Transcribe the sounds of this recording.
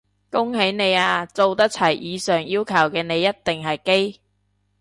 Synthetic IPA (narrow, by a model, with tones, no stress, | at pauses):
kʊ˥ŋɦe˨˥jne˨˧jaː˧t͡so˨wt̪ɐ˥k̚t͡sʰɐ˨˩jʔiː˨˧sœː˨ŋjiː˥wkʰɐ˨˩wkɛː˧ne˨˧jːɐ˥t̚t̪ɪ˨ŋɦɐ˨jke˥j